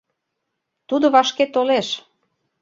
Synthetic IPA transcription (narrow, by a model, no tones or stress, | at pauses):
t̪ud̪oβɑʃket̪oleʃ